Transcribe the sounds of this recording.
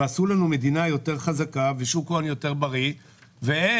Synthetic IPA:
asulanume̞d̪inajo̞te̞ʁχazakaveʃukoanjo̞te̞ʁbaʁi | ve

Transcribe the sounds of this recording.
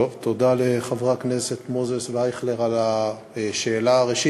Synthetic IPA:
ovt̪o̞d̪aleχavʁaknese̞t̪mozesveajχleʁala | ʃeːlaʁeʃi

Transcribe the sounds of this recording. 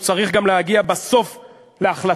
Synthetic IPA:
t͡saʁiχɡamlehaɡiabaso̞f | le̞aχla

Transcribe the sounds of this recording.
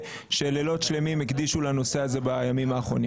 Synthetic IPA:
ʃelelo̞tʃle̞mimekd̪iʃulano̞se̞aze̞bajamimaːχʁo̞̰ni

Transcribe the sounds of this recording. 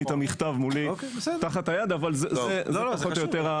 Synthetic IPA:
it̪amiχt̪avmuliokesɛdt̪aχat̪hajad̪avalzzezeaχot̪jot̪eʁa

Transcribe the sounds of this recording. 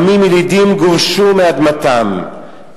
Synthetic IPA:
mimilid̪imɡuvʃumead̪mat̪am

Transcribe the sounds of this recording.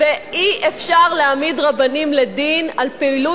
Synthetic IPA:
veʔiʔefʃaʁleamidʁabanimledinalpeilu

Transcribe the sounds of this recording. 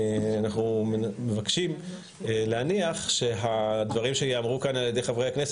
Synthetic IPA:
anaχnummevakʃim | leaniaχʃe̞ɦad̪vaʁimʃejeamʁukanaljedejχavʁejhaknes

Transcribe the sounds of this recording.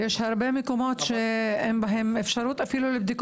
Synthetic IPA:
jeːʃhɑɾˤbeːmɪkuːmoːt̪ʃeʔembɪɦemʔɪfʃɑɾˤuːt̪ʔafiːlulɪb̚d̪iːk

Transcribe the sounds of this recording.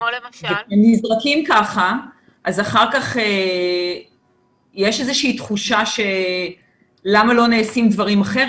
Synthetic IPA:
vekʃemnizʁakimkaχa | ʔazaχaʁkaχe | jeʃezeʃiit̪χuʃaʃe̞ | lamalo̞neːsimd̪vaʁimaχe̞ʁ

